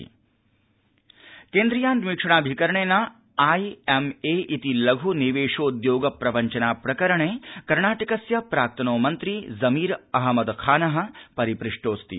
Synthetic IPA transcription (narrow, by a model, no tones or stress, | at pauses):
keːnd̪ɾijaːnd̪ʋiːkʂɐɳ̃aːbʱikɐɾɐɳeːnɐ | aːjemeːʔit̪ilɐɡʱuniʋeːʂoːd̪joːɡɐpɾɐʋɐɲt͡ʃɐnaːpɾɐkɐɾɐɳeːkɐɾɳaːʈɐkɐsjɐpɾaːk̚t̪ʰɐnoːmɐnt̪ɾizɐmiːɾɐɦɐmɐd̪kʰaːnɐɦɐ̆pɐɾipɾiʂʈoːst̪ḭ